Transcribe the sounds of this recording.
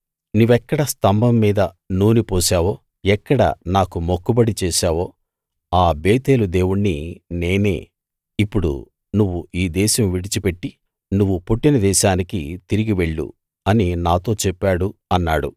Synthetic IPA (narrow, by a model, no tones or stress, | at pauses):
nuʋɛkːɐɽɐst̪ɐmbʱɐmːiːd̪ɐ | nuːnipoːʃaːʋo̞ː | ɛkːɐɽɐ̰naːkumokːubɐɽit͡ʃɛːʃaːʋo̞ː | aːbeːt̪e̞ːlud̪e̞ːwuɳːine̞ːne̞̰ː | ipːuɽṵ | nuʋːuiːd̪ɛːʃɐmʋiɽit͡ʃipe̞ʈːi | nuʋːupoʈːinɐd̪ɛːʃaːnikit̪iɾiɡiʋe̞ɭːṵ | ɐninaːt̪o̞ːt͡ʃɛpːaːɽuɐnːaːɽṵ